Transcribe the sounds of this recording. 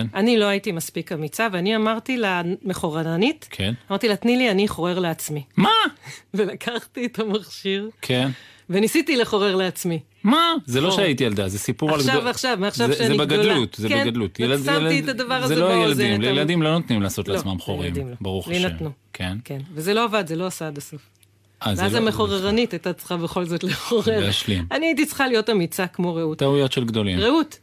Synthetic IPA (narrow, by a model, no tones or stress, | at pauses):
nanilo̞aitimaspikamit͡saveaniamaʁt̪ilameχoʁananitkʰḛnamaʁt̪ilatnilianiχo̞ʁe̞ʁleat͡smimave̞lakʰaχtietʰamaχʃiʁkʰen | venisitileχo̞ʁeʁleat͡smi | mazelo̞ʃeajitiald̪azesipuʁalʃavaχʃavmaːχʃaʃeanzeibeɡadlut̪zekeɡad̪lut̪jelsltietad̪avaʁazeloajeladimljeladimlo̞not̪nimlaːso̞tlalosmamχoʁḭmdimlobaʁuχleenanukʰenkenvezelo̞avadzelo̞asaadaso̞f | ʔazeazameχo̞ʁeʁanitajtat͡sχabe̞χo̞lzo̞t̪leχoʁeeaʃlimaniait̬it͡sχalijo̞tamit͡sakmo̞ʁeutt̪ahujotʃelɡd̪o̞lḭmʁeut